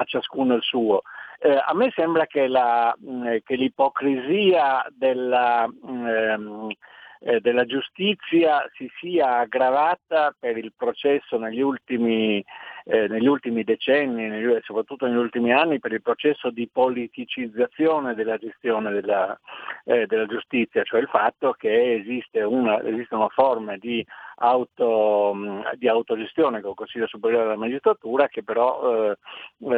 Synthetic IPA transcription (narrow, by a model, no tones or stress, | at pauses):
at͡ʃːaskuːnoilsuːoa̰mːesːɛmbɾakela | kelipokɾiziːad̪elːa | d̪elːad͡ʒust̪it̪sːjasisiːaːɡɾavaːt̪apeɾilpɾot͡ʃɛsːoneʎːult̪imi | neʎːult̪imid̪et͡ʃɛnːinesopɾat̪ːut̪ːoneʎːult̪imianːipeɾilpɾot͡ʃɛsːod̪ipolit̪it͡ʃid̪zːat̪sːjoːned̪elːad͡ʒest̪joːned̪elːa | d̪elːad͡ʒust̪it̪sːjat͡ʃoɛilfat̪ːokeːzist̪eunaʔḛzist̪eunaformad̪iawt̪o | d̪iawt̪od͡ʒest̪joːnekolkonsiʎːosupeɾjoːɾed̪elamad͡ʒist̪ɾat̪uːɾakepːeɾɔ